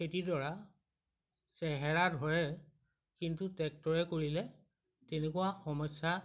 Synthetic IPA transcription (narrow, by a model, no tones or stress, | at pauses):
ketidɔɹa | sɛɦɛɹadʱɔɹɛ | kintutɛk̚tɔɹɛkoɹilɛ | tenekuwaxɔmɔsja